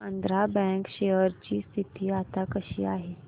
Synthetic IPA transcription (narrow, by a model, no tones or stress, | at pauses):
ənd̪ɾabɛ̃ŋkɕejəɾt͡ɕiːst̪ʰit̪iːat̪akəɕḭːaɦe